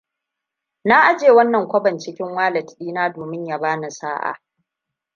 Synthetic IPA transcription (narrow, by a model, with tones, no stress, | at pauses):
naː˦ʔa˦d͡ʒeː˨wɐ˦nːɐ˨ŋkʷɐ˦bɐ˨nt͡ʃɪ˦kʲɪ˦ŋwaː˦lɐ˨tɗiː˦naː˦doː˨mɪ˦ɲja˨baː˦na˨sa̰ː˦ʔa̰˨